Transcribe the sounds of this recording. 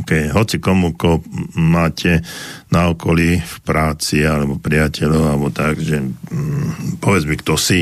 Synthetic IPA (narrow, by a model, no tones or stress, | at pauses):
kɛɦɔt͡sikɔmukɔmaːcʰɛnaɔkɔlifpɾaːt͡sialɛbɔpɾɪacʰɛʎɔʊalɛbɔt̪aɡʒɛ | pɔʋɛd͡zmikt̪ɔsi